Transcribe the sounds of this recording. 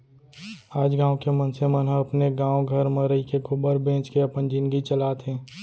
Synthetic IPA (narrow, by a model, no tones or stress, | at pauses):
aːd͡ʒɡãːõkemənsemənɦəəpneɡãːõɡʱəɾmẽɾəikekʰʊbəɾbẽːt͡ʃkeəpənd͡ʒinɡit͡ʃəlaːt̪ɦɛ̃ː